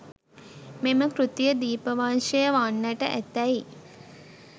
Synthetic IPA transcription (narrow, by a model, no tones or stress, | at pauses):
meməkɾut̪ijəd̪iːpəʋaːnʂʃəjəʋaːnːəʈəʔæt̪æj